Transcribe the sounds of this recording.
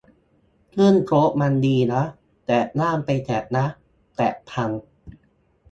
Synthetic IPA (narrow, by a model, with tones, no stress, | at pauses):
k̪ʰɯ˥˩ənkʰɾo˦˥ʔ̚ma˧ndiː˧na˦˥ | t̪ɛː˨˩naː˥˩mpa˧jt̪ʰɛ˨˩t̪̚na˦˥ʔ | t̪ɛː˨˩pʰa˧ŋ